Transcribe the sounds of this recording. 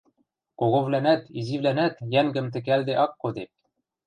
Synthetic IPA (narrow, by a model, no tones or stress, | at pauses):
koɣovlænæt̪izivlænæt̪jæŋɡɘ̆mt̪ɘ̆k̬æld̪ɘʔɑkːod̪ip̚